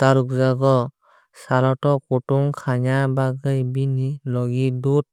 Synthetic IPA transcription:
taɾuk̚zaɡɔ | saɾɔtɔkutuŋkʰaɲabaɡɯjbinilɔɡidut̚

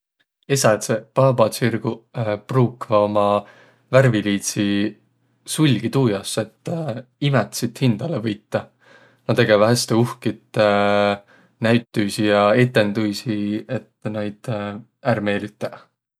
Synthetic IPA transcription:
e̞sɑt̪sepɑːbɑsirɡ̥upruːkvɑomɑ | værviliːt̪si | sulʲɡ̥it̪uːjɑse̞t̪ːimɛt̪sit̪hind̪̥ɑlevɤjt̪ːɑ | nɑt̪eɡ̥evɑɦest̪euhkit̪ːˑ | næɥt̪ːˑujsijɑe̞t̪ːˑe̞nd̪ujsiet̪ːnɑjd̪̥ | ærme̞ːlit̪ːˑe

